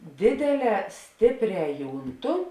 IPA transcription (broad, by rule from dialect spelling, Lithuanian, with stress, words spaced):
ˈdʲeːdʲeːˌlʲɛː ˈsʲtʲeːpʲˌrʲɛː ˈjuːnˌtʊ